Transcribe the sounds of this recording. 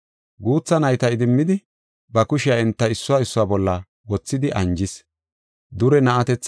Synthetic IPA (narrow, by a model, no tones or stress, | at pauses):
ɡuːt͡sːɐnɐjt̪ɐɪd̪ɪmːɪd̪ɪ | bɐkʊʃɪjaɛnt̪ːɐɪsːʊwaːɪsːʊwaːbɔlːɐ | wɔt͡sːɪd̪ɪʔɐnd͡ʒɪs | d̪ʊɾɛnɐʔɐt̪ɛt͡sː